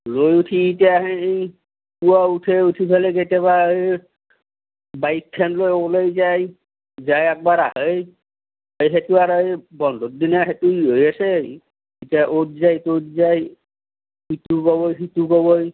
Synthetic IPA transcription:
lojutʰiːtijaɦeej | puautʰeutʰipʰaleketɛβaj | baitʰːɛnlojɔbɔlojzaj | zajɛk̚baɹaɦɔj | ojɦetuaɹɔbɔndʱot̚dinaɦetuiɦojasɛ | itiaʔot̚zajtotzaj | hit̪ukɔbɔjɦit̪ukɔbɔj

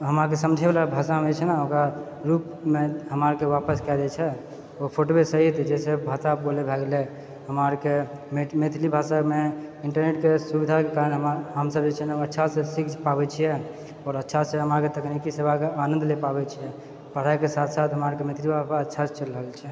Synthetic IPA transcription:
ɦəmakesəmd͡ʒʱebelabʱasamet͡ʃʰɛnaõkɾa | ɾup | meɦəməɾkewapəskɛd̪ɛt͡ʃʰɛ | opʰoʈobesəɦit̪d͡ʒɛsebʱasapolebʱɛɡle | ɦəməɾkememet̪ʰlibʱasameiɳʈəɾneʈkesubid̪ʱakekaɾənɦəɦəmsəbd͡ʒet͡ʃʰɛnətːʃʰasẽsikd͡ʒpabɛt͡ʃʰijɛ | ɔːɾətːʃʰasẽɦəmaɾket̪əknikisebʱakeanənd̪lepabɛt͡ʃʰijɛ | pəɽ̤ajkesat̪ʰsat̪ʰɦəmaɾkemet̪ʰlibʱapaətːʃʰat͡ʃəlɾəɦəlt͡ʃʰɛ

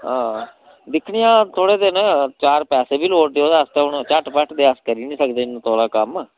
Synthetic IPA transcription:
ɦãː | d̪ɪkʰɽɪjãːt̪ʰoːɽeːd̪eːnət͡ʃaːɾpɛːseːbiːloːʈ̚d̪eːoːd̪aəst̪eːɦʊɳt͡ʃəʈpəʈʰd̪eːəskəɾiːnĩːsəkd̪eːɪnũːt̪ʰoːɽaːkəm

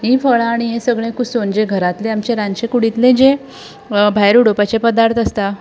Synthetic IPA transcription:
ɦĩfəɭaːɽ̃iɦẽsəɡɭẽkusond͡ʑeɡʱəɾat̪leamt͡ɕeɾãnɕekuɽit̪lẽd͡ʑe | bʱajɾuɽopat͡ɕepəd̪aɾt̪ʰəst̪a

